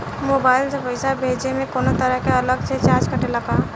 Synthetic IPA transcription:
moːbaːɪld͡ʒəbəɪsabʱed͡ʒemẽkoːnot̪əɾəɦkeələɡ̚t͡ʃʰet͡ʃat͡ʃkəʈelaka

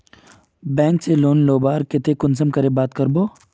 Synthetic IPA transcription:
bɛ̃ːŋkseloːnloːbaːɾkɪt̪ʰekʊnsəmkəɾebaːt̪kɐɾboː

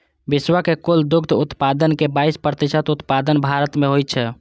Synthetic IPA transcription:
biswakekuld̪ʊkd̪ʱut̪pad̪ənkebaispɾət̪isət̪ut̪pad̪ənbʱaɾət̪meɦoj̪t͡ʃʰɛ

